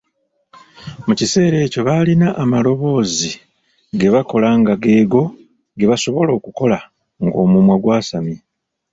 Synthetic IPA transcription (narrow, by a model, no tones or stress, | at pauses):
mucise̞ːɾe̞ːco̞βalinaʔːmalo̞βo̞ːzi | ɡe̞βako̞laŋɡaɡe̞ːɡo̞ | ɡe̞βaso̞βo̞lo̞ːkuko̞la | ŋɡo̞ːmumwaɡwaːsami